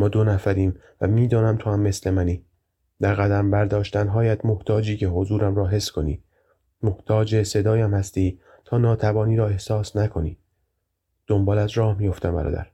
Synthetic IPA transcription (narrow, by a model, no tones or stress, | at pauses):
mɒːd̪onæfæɾiːm | væmiːd̪ɒːnæmt̪ʰohæmːesle̞mæniː | d̪æɾɣæd̪æmbæɾd̪ɒːʃt̪ænɦɒːjæd̪mo̞ht̪ʰɒːd͡ʒiːcʰeɦo̞zuːɾæmɾɒːɦe̞skʰo̞nḭː | mo̞ht̪ʰɒːd͡ʒese̞d̪ɒːjæmhæst̪iː | t̪ʰɒːnɒːt̪ʰæbɒːniːɾɒːe̞hsɒːsnækʰo̞nḭː | d̪̥o̞mbɒːlæzɾɒːhmijo̞ft̪æmbæ̰ɾɒ̰ːd̪æ̰ɾ